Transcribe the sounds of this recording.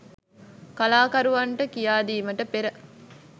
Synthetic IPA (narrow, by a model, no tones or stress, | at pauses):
kɐlaːkɐɾuʋɐɳʈəkijaːd̪iːməʈəpeɾə